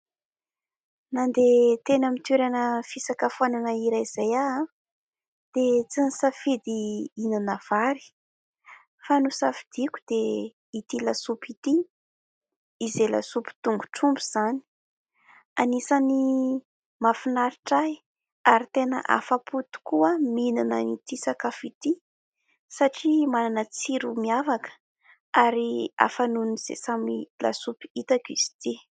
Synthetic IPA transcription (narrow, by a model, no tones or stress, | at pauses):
nand̪et̪enəmit̪eɾanəfisakafuananaiɾajz̥aja | d̪̥et͡sinisafid̪iinanav̥aɾi̥ | fanusafid̪̥iku̥d̪e | it̪ilasupit̪i | izela̰supu̥t̪uŋɡu̥ʈ͡ʂumbuz̥ani̥ | anisani | mafinaɾiʈ͡ʂaj | aɾit̪enə̰ʔa̰faput̪u̥kuəmininənit̪isakafit̪i | saʈ͡ʂimananət͡siɾumiavakə̥ | aɾia̰fanuniz̥ḛsamila̰supi̥it̪akiz̥i̥t̪i